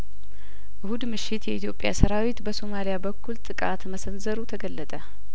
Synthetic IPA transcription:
ʔɨhud̪mɨʃːɪt̪jɛʔit̪ʰjo̞pʼja̰səɾawit̪bəso̞malijabəkʰːult̪ʼɨkʼat̪məsənzəɾut̪ʰəɡəlːət̪ʼə

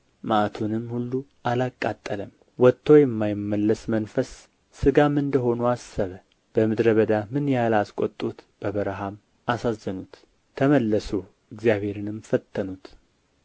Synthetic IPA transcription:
maʔat̪ʰunɨmːhulːuʔalakʼːat̪ʼːələm | wɔt̪ʰːo̞jɛmːajɪmːəlːəsmənfəsː | ɨɡamɨnd̪əɦo̞nuasːəβə | b̥əmɨd̪ɾəβəd̪amɨnjalaskʷʼot̪ʼːut̪b̥əβəɾɦam | asazːənut̪ʰː | əməlːəsu | ɪɡzjaβhe̞ɾɨnɨmfət̪ʰːənut̪

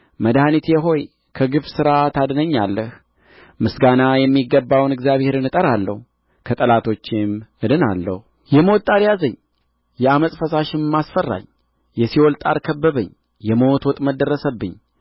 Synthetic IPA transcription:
məd̪hanit̪jɛɦo̞j | kʰəɡɨβsɨɾat̪ʰad̪nəɲːalːəh | mɨsɡanajɛmːiɡːəbːawnɨɡzjaβhe̞ɾɨnɨt̪ʼəɾalːə̰hu | kʰət̪ʼəlat̪ʰo̞t͡ʃːɪmʔɨd̪ɨna̰lːə̰hu | jɛmo̞t̪ːʼaɾjazəɲː | jɛaməsʼfəsaʃɪnmːasfərːa̰ɲ | jɛsiwɔlt̪ʼaɾkʰəbːəβəɲː | jɛmo̞t̪wɔt̪ʼməd̪ərːəsəbːɨɲː

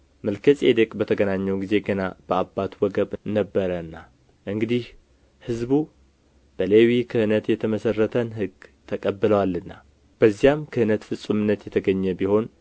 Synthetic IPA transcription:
məlkʰəsʼed̪əkʼbət̪ʰəɡənaɲːɛwɡize̞ɡənab̥əabːat̪wɔɡəβnəbːəɾəɨnːa | ʔɨŋɡɨd̪ih | hɨzbu | b̥əlewikʰɨhɨnət̪jɛt̪ʰəməsərːət̪ʰənɦɨɡt̪ʰəkʼəbːɨləwalːɨnːa | b̥əzːijamkʰɨhɨnət̪fɨsʼumɨnːət̪jɛt̪ʰəɡəɲːɛbiho̞n

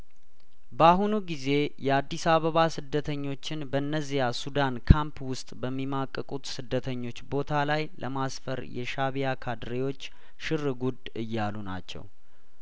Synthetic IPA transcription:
baɦunuɡize̞jɛad̪ːisaβəβasɨd̪ːət̪ʰəɲːo̞t͡ʃːɪnbəɨnːəzijasud̪ankʰampwʊst̪ʼbəmːimakʼːəkʼut̪sɨd̪ːət̪ʰəɲːo̞t͡ʃːbo̞t̪ʰalajlʔə̰masfəɾjɛ̰ʃaβijakʰad̪ɾewo̞t͡ʃː | ʃɨɾɨɡud̪ | ɨjːaluna̰t͡ʃːɛ̰w

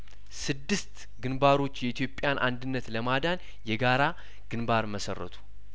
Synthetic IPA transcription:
sɨd̪ːɨst̪ | ɡɨnbaɾo̞t͡ʃːjɛit̪ʰjo̞pʼːjanʔa̰nd̪ɨnːət̪ləmad̪an | jɛɡaɾa | ɡ̥ɨnbaɾməsə̰rːə̰t̪ʰu̥

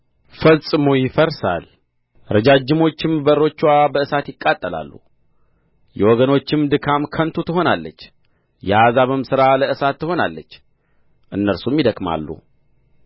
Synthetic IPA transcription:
fəlsʼɨmujɪfəɾsa̰l | ɾəd͡ʒad͡ʒːɪmo̞t͡ʃːɪmbəro̞t͡ʃːwabəɨsat̪jɪkʼːat̪ʼːəla̰lːṵ | jɛwɔɡəno̞t͡ʃːɪmd̪ɨkʰamkʰənt̪ʰut̪ʰɨɦo̞nalːət͡ʃː | jɛhazaβɨmsɨɾaləʔɨsat̪ːɨho̞na̰lːət͡ʃː | ʔɨnːəɾsumjɪd̪əkma̰lːṵ

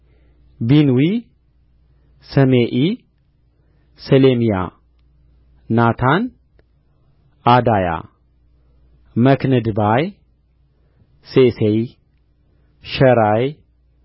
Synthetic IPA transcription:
binwi | sɐmeʔi | səlemija̰ | nat̪ʰan | ʔad̪aja̰ | məknɨd̪ɨbaj | sesej | ʃɐɾaj

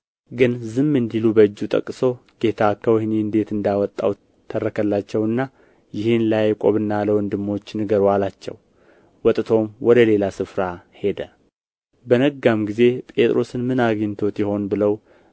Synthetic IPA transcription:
ɡɨnzɨmːɨnd̪ilubəɨd͡ʒːut̪ʼə̰kʼːso̞ɡ̥e̞t̪ʰakʰːəwhneɨnd̪e̞t̪ɨnd̪awɔt̪ʼːa̰w | t̪ʰːərːəkʰəlːat͡ʃːɛwɨnːa | jɪhɨnlajɛkʼo̰βɨnːaləwɔnd̪ɨmːo̞t͡ʃːnɨɡəɾalat͡ʃːɛ̰w | wɔt̪ʼt̪ʰo̞mwɔd̪əle̞lasɨfɾahe̞d̪ə | bənəɡamɡize̞pʼe̞t̪ʼɾo̞sɨnmɨnaɡint̪ʰo̞t̪jɪho̞nbɨləw

